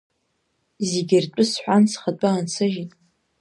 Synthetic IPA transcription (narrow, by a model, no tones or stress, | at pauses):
zeɡʲɪrʈ͡ʂʷʼʊsħʷansχat͡pʷʼaːnt͡sʰɨʒitʼ